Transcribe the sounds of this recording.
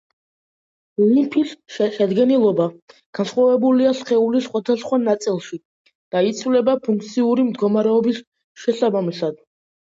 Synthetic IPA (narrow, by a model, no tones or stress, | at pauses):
ulimpʰisʃɛd̪ɡɛnilˠɔbaɡ̥ansχwavɛbuliasχɛulisχwad̪asχwanat̪sʼilˠʃi | d̪̥ait̪sʰvlɛbapʰũŋk̚ʰt̪sʰiuɾimd̪ɡɔmaɾɛɔbis | ʃɛsabamisad̪